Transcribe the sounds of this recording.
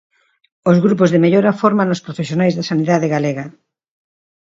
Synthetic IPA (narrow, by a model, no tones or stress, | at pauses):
ozɣɾup̬ozðemeʎoɾɐfoɾmanʊspɾofesjonajzðɐsaniðaðeɣaleɣɐ